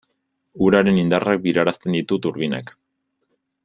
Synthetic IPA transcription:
uɾaɾe̞nind̪arak̚biɾaɾast̪end̪it̪ut̪uɾβina̰k

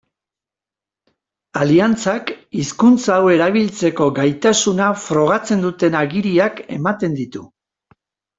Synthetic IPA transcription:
aliant͡sakiskunt͡sawe̞ɾaβilt͡se̞ko̞ɡajt̪asunafɾo̞ɣat͡se̞nd̪ut̪e̞naɣiɾiake̞̰mat̪e̞nd̪it̪u

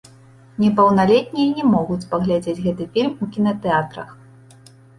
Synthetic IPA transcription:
nʲɛpɐwnalʲɛt̪̚ʲnʲijɐnʲɛmɔɣut͡sʲpɐɣlʲad͡zʲed͡zʲɣɛt̪ɨfʲilʲmukʲinɐt̪ɛat̪ɾɐ̰x

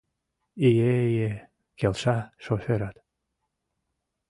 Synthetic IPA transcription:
ijeje | kelʃɑʃoføɾat̪

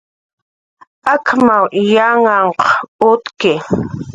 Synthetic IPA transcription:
akʰmawjaŋaɴqʊt̪kɪ

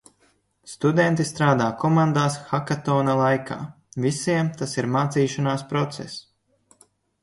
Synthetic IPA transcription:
st̪ud̪ɛnt̪ist̪ɾaːd̪aːkɔmand̪aːsxakat̪ɔːnalˠajkʰa̰ː | visiɛmt̪asiɾmaːt̪siːʃanaːspɾɔt̪sɛ̰s

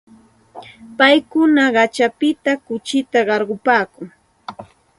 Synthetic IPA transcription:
pajkʊnaɢɑt͡ʃapɪt̪akʊt͡ʃɪt̪aɢɑɾɢʊpaːkʊŋ

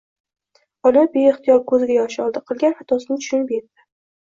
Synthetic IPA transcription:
ɒlabeːχt̪ʰɪjɒɾkʰɵzɡʲajɒʃɒlˠd̪ɪqʰɨlˠɡʲanat̪ʰɒsɪnɪt̪ʰʊ̥ʃʊnɪpet̪d̪ɪ̥

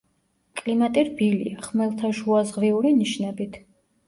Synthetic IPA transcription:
kʼlimat̪ʼiɾbilḭaχmɛlˠt̪ʰaʃuazʁviuɾiniʃnɛbit̪ʰ

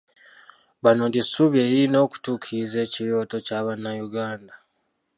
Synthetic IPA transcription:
βano̞ndisuβje̞jiino̞ːku̥tuːkʰize̞ːciɾo̞ːto̞caːβanːajuɡaːnda

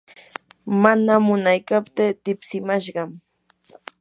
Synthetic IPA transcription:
manamʊnajkapt̪et̪ɪpsɪmaʃɢɑm

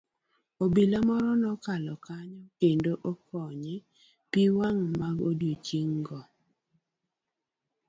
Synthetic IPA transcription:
obilamɔɾɔnɔkalɔkaɲɔkendoʔokʰɔɲɪ | piwaŋmaɡodjot͡ʃiŋɡɔ

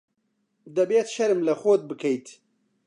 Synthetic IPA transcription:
d̪ɐbeːt̪ʃɐɾɨmlɐxoːd̪̚bɨkʰɐjt̪

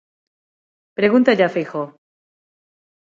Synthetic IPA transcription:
pɾeɣunt̪aʎafixo

